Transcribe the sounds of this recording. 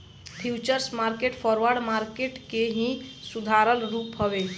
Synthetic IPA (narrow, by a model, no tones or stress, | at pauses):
pʰjut͡ʃəɾsmaɾkeʈpʰɔɾʋəɾɖmaɾkeʈkeɦĩsud̪ʱaɾəlɾupɦɔbe